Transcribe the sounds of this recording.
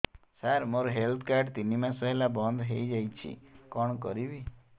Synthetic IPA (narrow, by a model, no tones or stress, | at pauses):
saɾmoɾɔɦelt̪ʰkaɾɖt̪inimãsɔɦelabɔnd̪ʱɦejd͡ʒajt͡ʃʰḭkɔɽ̃kɔɾibi